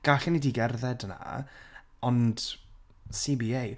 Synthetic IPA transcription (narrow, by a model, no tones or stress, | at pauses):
ɡ̥aɬənidiɡɛrðɛdna̰ | ɔnd̥ | sibiej